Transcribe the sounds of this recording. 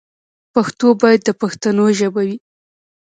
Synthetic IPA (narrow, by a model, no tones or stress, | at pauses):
paxt̪obɑjad̪ːəpaxt̪anoʒəbawi